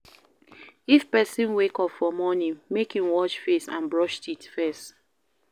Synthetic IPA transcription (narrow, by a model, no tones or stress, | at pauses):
ifpɛsĩnwekɔpfɔmɔnĩŋmekhĩmwɔt͡ʃfesã̰nbɹɔʃtitfɛst